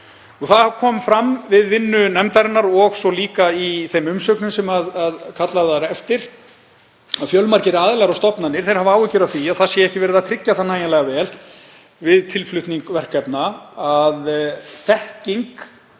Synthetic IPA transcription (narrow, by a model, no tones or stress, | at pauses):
uɣθakʰɔːmfɾamvɪðvɪnːʏnɛmt̪aɾɪnːaɾɔɣsɔliːkaiθejmʏmsœknʏmsɛmaðaðkʰat̪laðaɾɛft̪ɪɾ̥ | aðfjœwlmaɾcɪɾaːðɪlɛɣaɾast̪ɔpnanːɪɾ̥θejɾ̥havaːwʏcʏɾaθiaðθaðsjɛɛhcɪvɛːɾɪðat̪ʰɾɪcːaθanːaːjalɛɣavɛːl | vɪðt̪ʰɪlflʏht̪niŋkvɛr̥kɛpnaaðθɛhciŋk